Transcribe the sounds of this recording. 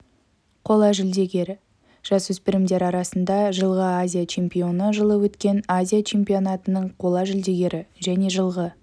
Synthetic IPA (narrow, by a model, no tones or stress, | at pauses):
qʰo̞lˠɑʒɪld̪e̞ɡʲe̞ɾɪ | ʒ̥ɑswɵspɪɾɪmd̪e̞ɾɑɾɑsənd̪ɑʒəlˠʁəazʲijat͡ʃʰe̞mpijo̞nəʒəlˠəwɵt̪kʲe̞nazʲijat͡ʃʰe̞mpʲio̞nat̪ənəɴqʰo̞lˠɑʒɪld̪e̞ɡʲe̞ɾɪʒæne̞ʒəlˠʁə